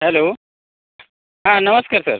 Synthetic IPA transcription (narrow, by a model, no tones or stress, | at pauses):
ɦɛloː | ɦãnəməskaːɾsə̰ɾ